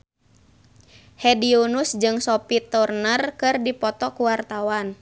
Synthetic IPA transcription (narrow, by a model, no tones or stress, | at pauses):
hɛdionusd͡ʒɨŋsɔpit̪ɔrnərkɨrdipɔt̪ɔkuwart̪awan